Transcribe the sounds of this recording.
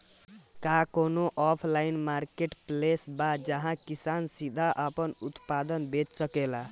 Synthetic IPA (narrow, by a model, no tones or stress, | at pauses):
kakonoʔɔpʰlainmaɾkeʈplesbad͡ʒʌɦãkisansid̪ʱaʔʌpʌnut̪pad̪ʌnbet͡ʃsʌkela